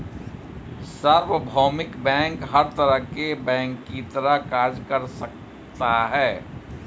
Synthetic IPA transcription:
səɾʋəbʱɔːmɪkbɛ̃ːŋkɦɐɾt̪ɐɾəɦkebɛ̃ːŋkːit̪ɐɾəɦkaːɾd͡ʒkɐɾsɐk̚ | t̪aɦɛː

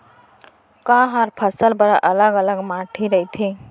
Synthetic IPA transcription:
kãɦəɾpʰəsəlbəɾaʔələɡələɡmaʈʰiɾəɦit̪ʰi

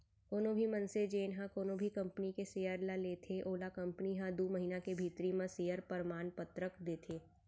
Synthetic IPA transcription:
oːnõbʱimɐ̃nsed͡ʒeːnɦãkoːnõbʱikɐ̃mpnikesejəɾlaleːt̪ʰeʔoːlakɐ̃mpniɦãd̪uːməɦiːnakebʱiːt̪ɾimãsejəɾpəɾmaːnpət̪ɾəkd̪eːt̪ʰeː

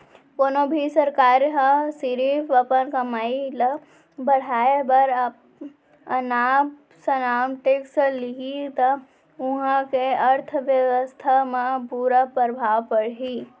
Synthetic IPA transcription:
koːnobʱisəɾkaːɾjɦəsiɾipʰʋəpənkɐmaːilə | bəɽ̤aːebəɾ | ɐnaːm | sənaːmʈeksliɡit̪ə | ʊɦãkeəɾt̪ʰʋjəʋəst̪ʰamẽpuːɾapəɾəbʱaːʋpəɽɦi

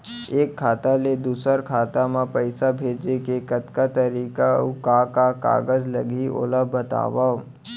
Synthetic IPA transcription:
eːkʰːaːt̪aled̪uːsəɾkʰaːt̪amãpɐɪsabʱeːd͡ʒekekɐt̪kat̪ɐɾiːkaokakaka̰ːɡəzlɐɡʱio̰ləbʱːət̪a̰ːʋa

